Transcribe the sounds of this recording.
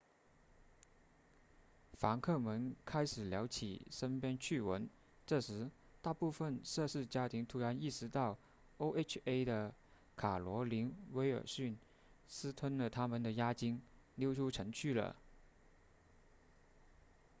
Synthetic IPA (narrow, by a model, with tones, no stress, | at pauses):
fa˧˥ŋkʰɤ˥˩mə˧˥nkʰa˥ɪʂɻ̩˨˩ljɑ˧˥ʊt͡ɕʰḭ˨˩ʂə˥npjɛ˥nt͡ɕʰy˥˩wə˧˥n | ʈ͡ʂɤ˥˩ʂɻ̩˧˥ | t̪a˥˧pu˥˧fə˧nʂɤ˥˧ʂɻ̩˥˩t͡ɕja˥t̪ʰi˧˥ŋt̪ʰu˧˥ɻa˧˥ni˥˩ʂɻ̩˧˥t̪ɑ˥˩ʊ | o˥ʊe˥t͡ʃʰe˥ɪd̪ə˧ | kʰa˨˩lwɔ˧˥li˧˥nwe˧˥ɪə̰˞˨˩ɕy˥˩n | sɹ̩˥t̪ʰwə˥nlə˨t̪ʰa˥mə˨nd̪ə˩ja˥t͡ɕi˥ŋ | ljo˥ʊʈ͡ʂʰu˥ʈ͡ʂʰɤ˧˥ŋt͡ɕʰy˥˩lə̰˩